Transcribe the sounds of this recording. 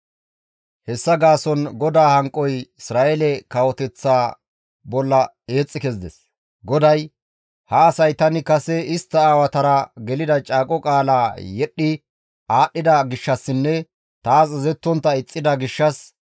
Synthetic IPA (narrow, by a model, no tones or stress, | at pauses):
hɛsːɐɡaːsɔnɡɔd̪aːhɐŋkʼːɔjɪsɾaːʔɛlɛkɐwɔt̪ɛt͡sːaː | bɔlːɐ | e̞ːt͡sʼːɪkɛzɪd̪ɛ̰s | ɡɔd̪ɐj | hɐːsɐjt̪ɐnɪkɐsɛɪst̪ːɐaːwɐt̪ɐɾɐɡɛlɪd̪ɐt͡ʃʼaːkʼɔkʼaːlaːjɛɗːɪ | aːɗːɪd̪ɐɡɪʃːɐsːɪnːɛ | t̪aːsɪzɛt̪ːɔnt̪ːɐɪt͡sʼːɪd̪ɐɡɪʃːɐs